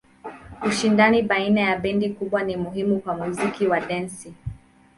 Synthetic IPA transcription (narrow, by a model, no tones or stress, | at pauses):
uʃindaniɓainajaɓɛndikuɓwanimuɦimukwamuzikiwaɗɛnsi